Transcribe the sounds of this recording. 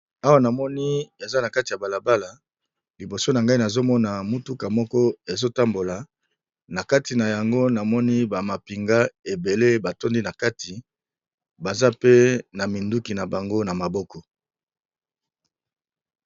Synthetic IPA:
a˦wa˦na˨mɔ˦ni˦e˨za˦na˨ka˦ti˨ja˨ba˨la˨ba˦la˨ | li˨bo˨so˦na˨ŋɡa˦i˦na˨zo˦mɔ˦na˨mu˦tu˦ka˨mɔ˦kɔ˦e˨zo˦ta˦mbo˨la˨ | na˨ka˦ti˨na˨ja˨ŋɡo˦na˨mɔ˦ni˦ba˨ma˨pi˨ŋɡa˦e˨be˨le˦ba˨to˦ndi˦na˨ka˦tʰi˨ | ba˨za˦pe˦na˨mi˨ndu˦ki˨na˨ba˨ŋɡo˦na˨ma˨bɔ˦kɔ˨

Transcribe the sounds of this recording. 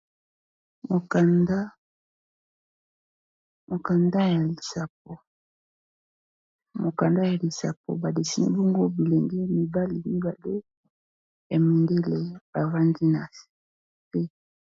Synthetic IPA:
mo˨ka˨nda˦ | mo˨ka˨nda˦ja˨li˨sa˨p̚o˨ | mo˨ka˨nda˦ja˨li˨sa̰˨p̚o̰˨ba˨de˨si˦nḭ˦bɔ˦ŋɡo˦bi˨le˨ŋɡɛ˦mi˨ba˦li˨mi˦ba˨le˦ | ja˨mi˨nde˦le˨b̥a˨va˦ndi˦na˨s | pe˦

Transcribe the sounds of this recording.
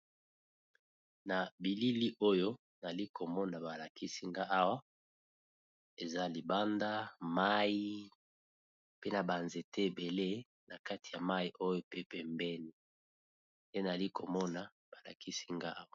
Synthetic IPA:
na˨bi˨li˦li˦ʔo˦jo˦ | n˨li˦kʰo˨mɔ˦na˨ba˨la˨ki˦si˦ŋɡa˦ʔa˦wa˦ | e˨za˦li˨ba˦nda˦ma˦ji˦ | pe˦na˨ba˨nze˨te˦e˨be˨le˦ | na˨ka˦ti̥˨ja˨ma˦i˦ʔo˦jo˦pe˦pɛ˨mbɛ˦ni˦ | nde˦na˨a˨li˦ko˨mɔ˦na˨ | b̥a˨la̰˨kʰi˦si˦ŋɡa˦a˦wa˦˨

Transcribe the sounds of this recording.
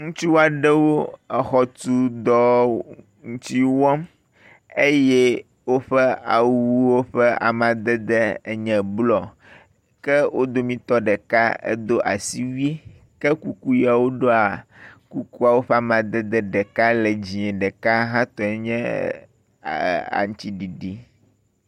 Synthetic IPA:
ŋũ˦t͡ʃi˦wo˦a˨ɖɛ˦wo˦ɛ˨xɔ˦t̪u˦d̪ɔ˦ | ŋũ˦t̪i˦wɔ̃˦m | e˦jɛ˦ | wo˦ɸɛ˦a̰˨˦wu˦wo˦ɸɛ˦a̰˨mã˨d̪ɛ˦d̪ɛ˦˨ɲɛ̃˨blɔ˨ | kɛ˦wo˦d̪o˦mĩ˦t̪ɔ˦ɖɛ˨ka˦ḛ˦d̪o˦ʔa˨si˦wi˦e˦ | kɛ˦ku˨ku˦ji˦a˨wo˦ɖo˦a˨ku˦ku˦a˨wo˦ɸɛ˦a˨mã˨d̪ɛ˦d̪ɛ˦ɖɛ˨ka˦lɛ˨d͡ʑi˨ɛ̃˨ɖɛ˨ka˦ɦã˦t̪ɔ˨ɛ˦ɲɛ̃˦˨ | a̰˨ŋũ˦t̪i˦ɖi˨ɖi˨

